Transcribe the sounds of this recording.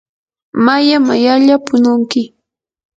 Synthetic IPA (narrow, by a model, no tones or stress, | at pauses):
majamajaʎapʊnʊŋkɪ